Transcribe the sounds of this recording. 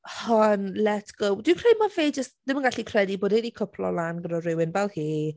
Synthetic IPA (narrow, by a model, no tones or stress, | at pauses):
hɔnlɛtɡ̥owdwɪkʰr̥ejd̚maveːd͡ʒəstd̥ɪmənɡaɬikʰrɛdiboːdɛdikʰəpʰlɔ̰lanɡənɔrɪwɪnbɛlˠhiː